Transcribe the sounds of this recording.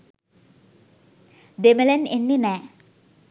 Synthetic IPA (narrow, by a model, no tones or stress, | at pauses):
d̪emelɛnenːinɛ